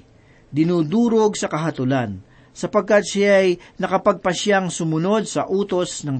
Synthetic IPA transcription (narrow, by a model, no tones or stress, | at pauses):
d̪ɪnuːd̪uːɾoɡsɐkɐɦɐt̪ʊlan | sɐpɐɡ̚kat̪̚ʃaɐjnɐkɐpɐɡ̚pɐʃjaŋsʊmʊno̞d̪̚sɐʔuːt̪o̞snɐŋ